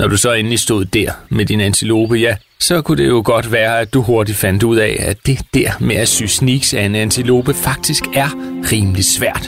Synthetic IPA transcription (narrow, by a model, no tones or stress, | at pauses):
nɒd̥usɒ̽e̝nlisd̥o̝ð̰ˠd̥æɐ̰med̥inænt͡sʰilo̝̰ːb̥əjæ | sɒ̽kʰud̥e̝jo̝ɡ̥ɒ̽d̥ʋæːɐæd̥uɦo̝ɐd̥i̥fæn̰d̥uð̞̰ˠɛ̰æd̥e̝d̥æɐ̰meæsyːsniɡ̥sæe̝nænt͡sʰilo̝̰ːb̥əfɑ̈ɡ̥̚d̥isɡ̥æɐʁiːməli̥sʋæɐ̰d̥